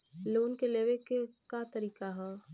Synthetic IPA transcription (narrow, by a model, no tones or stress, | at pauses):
loːnkeleːʋekekat̪əɾiːkaɦɛː